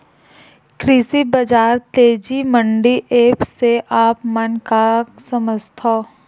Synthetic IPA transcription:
kɾisibəd͡ʒaːɾt̪eːd͡ʒiməɳɖiʔeːpseʔaːpmənkasəməst̪ʰoː

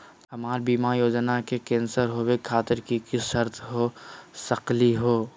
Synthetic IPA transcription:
ɦɐmaːɾbiːmaːɾjoːd͡ʒnakekẽːnsəɾɦowekʰːaːt̪ɪɾkikɪʃəɾt̪ʰɦoːsɐqliɦoː

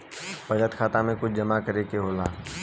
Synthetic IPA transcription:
pɐd͡ʒət̪kʰaːt̪amẽkʊt͡ʃʰd͡ʒɐmakəɾekeɦoːlaː

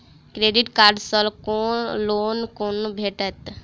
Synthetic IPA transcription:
kɾeɖiʈkaːɾɖsəlkoloːnkonbʱeʈət̪

